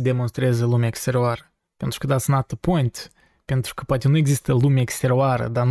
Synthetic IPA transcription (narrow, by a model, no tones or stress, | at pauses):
d̪emonst̪ɾeezəlumʲeekst̪eɾʲjoaɾə | pent̪ɾu̥kəd̪at̪snat̪əponʲt̪ʲ | pent̪ɾu̥kə̥pat̪ejenuje̞ɡzist̪əlumʲeekst̪eɾioaɾə̰d̪an